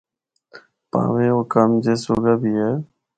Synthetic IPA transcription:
pã̰ːʋeːoːkamd͡ʒeːso̰ːɡaːbiːɦɛː

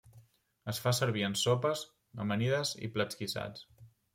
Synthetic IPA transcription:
əsfasəɾβiənsopəz | ə̰məniðəzḭplət͡skisa̰t͡s

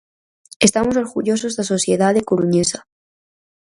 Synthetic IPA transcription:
e̞st̪amos̬oɾɣuʝo̞s̬ozðaso̞sjeðaðekoɾuɲesa

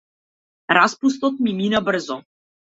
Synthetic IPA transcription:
ɾaspust̪ot̪̚miminabr̩zo

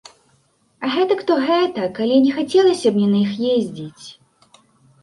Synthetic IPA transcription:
ɐɣɛt̪ɐkt̪ɔɣɛt̪ɐkalʲinʲɛxat͡sʲɛlˠɐsʲɐbnʲɛnɐixjezʲd͡zʲit͡sʲ

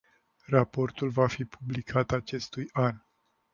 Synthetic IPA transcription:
rapo̞rt̪ulvafipʰublikʰat̪at͡ʃe̞st̪ujan

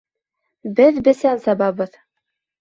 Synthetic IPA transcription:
bɘðbɘ̆sænsɑbɑβɤð

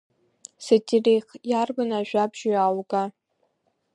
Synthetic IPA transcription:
setʰʼirejχjarbɨnaʒᶣʷabʒujalɡa

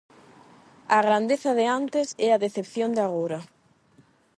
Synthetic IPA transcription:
aɣɾand̪eθɐðeant̪ɪsɛaðeθepθjond̪aɣoɾɐ

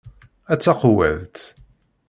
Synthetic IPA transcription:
æt͡sːɑqwæ̰ðt̪

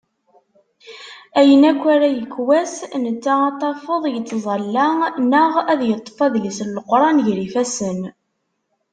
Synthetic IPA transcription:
æjənækʷːæɾæjəkːwæsnət͡sːaɑt̪ˤːɑfəðˤjət͡sːzˤɑlːænəʁæðjət̪ˤːfɑðlisləlqɾˤɑnʝɾifæsən

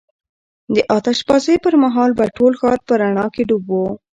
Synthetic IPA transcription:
d̪əʔɑt̪aʃbɑzəjpəɾmaɦɑlbaʈolxɑɾpəɾaɳɑkeɖubo

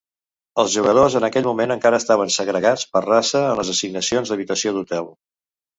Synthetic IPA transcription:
əlˠzʒuɣəð̞ozənəkɛʎmumenəŋkaɾəːst̪aβ̞ənsəɣɾəɣat͡spərrasəːnləzəsiɡ̚nəsionzðəβit̪əsioðut̪ɛlˠ

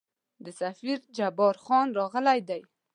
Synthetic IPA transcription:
d̪əsafiɾd͡ʒabɑɾxɑnɾɑɣəlajd̪aj

